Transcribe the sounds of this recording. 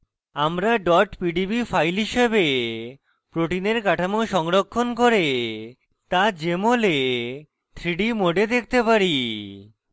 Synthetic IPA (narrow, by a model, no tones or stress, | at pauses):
amɾaɖɔʈpiɖibifʰajlɦiʃebe | pɾoʈineɾkaʈʰamoʃɔŋɾokʰːonkoɾe | t̪ad͡ʑemole | t̪ʰɾiɖimoɖed̪ek̚ʰt̪epaɾi